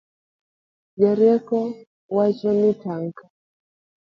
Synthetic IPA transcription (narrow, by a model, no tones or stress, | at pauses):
d͡ʒaɾiɛkɔ | wat͡ʃɔnitaŋka